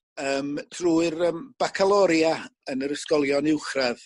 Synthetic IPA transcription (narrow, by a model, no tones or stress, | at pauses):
əːmd̥ruːɨrəːmb̥akʰalˠɔɾjaənəɾəskɔlˠjɔnɪwχrɛð